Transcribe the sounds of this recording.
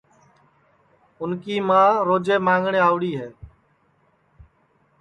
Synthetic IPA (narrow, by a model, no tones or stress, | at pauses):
ʊnkiːmãːɾoːd͡ʒeːmãːŋɡɳeːaːʋɽiːɦeː